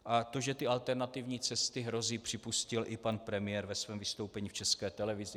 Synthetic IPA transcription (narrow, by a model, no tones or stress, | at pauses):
ʔat̪o̞ʒɛt̪ɪalt̪ɛɾnat̪ɪvɲiːt͡sɛst̪ɪɦɾo̞ziːpr̝̥ɪpuscɪlʔɪpanpɾɛmɪjɛɾvɛsvɛːmvɪst̪o̞wpɛɲiːft͡ʃɛskɛːt̪ɛlɛvɪzɪ